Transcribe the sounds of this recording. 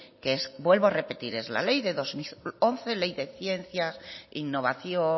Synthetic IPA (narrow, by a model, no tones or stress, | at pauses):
keesbwe̞lβoare̞pe̞t̪iɾe̞zla̰le̞jðe̞ðozmionθe̞le̞jðe̞θje̞nθjasinːo̞β̞aθjo